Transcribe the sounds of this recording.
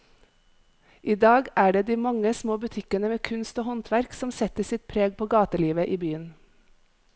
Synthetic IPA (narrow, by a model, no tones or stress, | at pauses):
ʔiːd̪ɑːɡæːɖeːd̪iːmɑŋəsmoːbʉt̪ʰɪkənəmeːkʰʉnst̪oːhɔnt̪ʰʋæɾksɔmsɛt̪əsɪt̪̚pʰɾeːɡ̚pʰoːɡɑːt̪əliːʋəʔiːbyːən